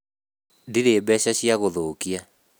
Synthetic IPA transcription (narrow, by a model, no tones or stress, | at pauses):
diɾeːbɛɕaɕjaɣoðokia